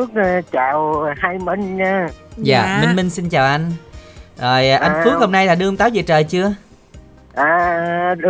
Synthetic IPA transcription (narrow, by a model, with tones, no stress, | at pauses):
ək̚t͡ɕaː˨˩whaː˧jmə˧ŋ̟ɲaː˧za̰ː˨˩mï˧ŋ̟mï˧ŋ̟si˧nt͡ɕaː˨˩wʔa˧jŋ̟zo˨˩jʔʔa˧jnfɨ˨˦˥kho˧mna˧jlaː˨˩ɗɨ˧ŋ͡mt̪aː˨˦wzi˨˩t͡ɕəː˨˩jt͡ɕɨ˧ə | ʔaː˨˩˧